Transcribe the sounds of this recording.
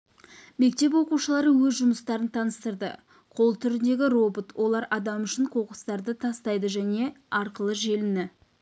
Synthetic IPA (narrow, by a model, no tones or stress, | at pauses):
me̞k̚t̪e̞p̬wo̞quʃəlˠɑɾəwɵzʒʊməst̪ɑɾənt̪ʰɑnəst̪əɾd̪ə̰ | qʰo̞lˠt̪ʰʏɾɪnd̪e̞ɡʲɪro̞bot̪wʔo̞lˠɑɾɑd̪ɑmʏʃɪɴqʰo̞qə̥st̪ɑɾd̪ət̪ʰɑst̪ɑjd̪əʒæne̞ | ɑɾqəlˠəʒe̞lɪnɪ